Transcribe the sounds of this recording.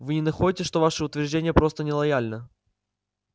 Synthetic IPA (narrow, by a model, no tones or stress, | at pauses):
vɨnʲɪnɐxoɪtʲɪʂt̪o̞vaʂɨʊt̪vʲɪrʐdʲenʲɪjəpɾo̞st̪ənʲɪlˠɐjalʲnə